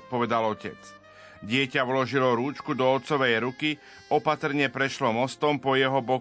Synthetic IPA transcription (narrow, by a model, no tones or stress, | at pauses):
pɔʋɛd̪alɔcɛ̰t͡s | ɟɪɛcaulɔʒilɔɾuːt͡ʃkud̪ɔːt̪t͡sɔʋɛjɾuki | ɔpat̪ɾ̩ɲɛpɾɛʃlɔmɔst̪ɔmpɔjɛɦɔbɔ